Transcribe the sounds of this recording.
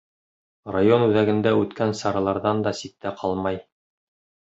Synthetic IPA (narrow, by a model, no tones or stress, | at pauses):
rajo̞nʉðæɡɘ̆nd̪æʉt̪kænsɑɾɑlˠɑɾðɑnd̪ɑsik̚t̪æqʰɑlˠmɑj